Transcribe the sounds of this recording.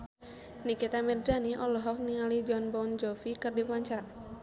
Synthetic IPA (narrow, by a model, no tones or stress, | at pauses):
nikit̪amird͡ʒaniʔɔlɔɦɔk̚niŋalid͡ʒɔnbɔwnd͡ʒɔfikɨrdiwaɲt͡ʃa